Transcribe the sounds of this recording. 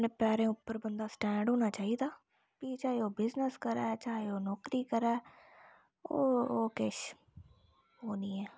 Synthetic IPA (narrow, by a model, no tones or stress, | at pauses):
nẽːpɛːɾẽːʊpːəɾbənd̪aːsʈɛ̃ːɳɖɦoːnaːt͡ʃaːiːd̪aː | piːt͡ʃaːeːoːbɪznəskəɾɛːt͡ʃaːeoːnɔːkɾiːkəɾɛː | oːoːkeʃ | ɦoːnĩːɛː